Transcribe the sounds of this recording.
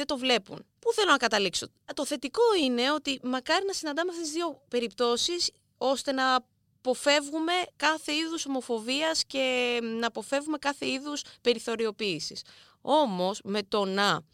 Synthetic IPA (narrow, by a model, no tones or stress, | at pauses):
et̪o̞vle̞pṵnpuθe̞lo̞nɐkɐt̪ɐlikso̞ | t̪o̞θe̞t̪iko̞ine̞o̞t̪imɐkɐɾinɐsinɐnd̪ɐmeɐft̪ezðiope̞ɾipt̪o̞sis | o̞st̪e̞nɐː | po̞fe̞vɣume̞kɐθe̞iðuso̞mo̞fo̞viɐsce̞nɐpo̞fevɣume̞kɐθe̞iðuspe̞ɾiθo̞ɾio̞piːsis | o̞mo̞sme̞t̪o̞nɐ